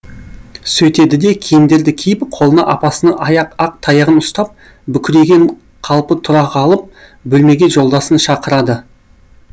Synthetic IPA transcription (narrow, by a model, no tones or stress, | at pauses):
sɵt̪e̞d̪ɪd̪e̞kʲʰejɪnd̪e̞ɾd̪ɪkʲʰejɪbɪqʰo̞lˠənɑ̰ʔɑpɑsənɑʔɑjɑqɑq̚t̪ʰɑjəʁənʊst̪ɑp̚ | bʏkʲɪɾe̞ɡʲe̞ɴ | qʰɑlˠpət̪ʰʊɾɑqɑlˠəp̚ | bɵlme̞ɡʲe̞ʒo̞lˠd̪ɑsənʃɑqəɾɑd̪ə